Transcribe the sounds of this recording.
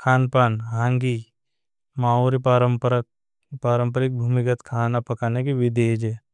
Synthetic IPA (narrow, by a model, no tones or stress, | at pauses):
kʰaːnpanɦãːŋɡi | maːoɾipaɾəmpɾək̚ | paːɾə̃mpəɾɪk̚bʱumɪkət̪kʰaːnapɐkaːnekiʋɪd̪ʱed͡ʒe